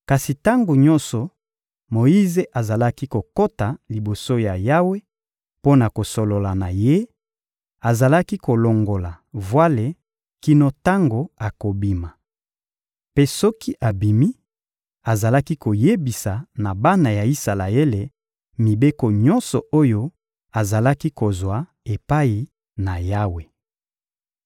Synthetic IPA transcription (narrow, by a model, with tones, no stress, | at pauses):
ka˨si˨ta˦ŋɡo˨ɲɔ̃˦nsɔ˨ | mo˨ji˦ze˨ʔa˨za˨la˦ki˦ko˨ko˦ta˨li˨bo˨so˦ja˨ja˦we˦ | po˦na˨ko˨so˨lo˨la˨na˨je˦ | a˨za˨la˦ki˦ko˨lo˨ŋɡo˨la˨ | vwa˦le˨ | ki˦no˦ta˦ŋɡo˨a˨ko˨bi˦ma˨ | pe˦sɔ˦ki˦ʔa˨bi˨mi˦ | a˨za˨la˦ki˦ko˨je˦bi˨sa˨na˨ba˦na˨ja˨i˦sa˨la˨e˦le˨ | mi˨be˦ko˨ɲɔ˦nsɔ˨ʔo˦jo˦ | a˨za˨la˦ki˦ko˨zwa˨ | e˨pa˦i˨ | na˨ja˦we˨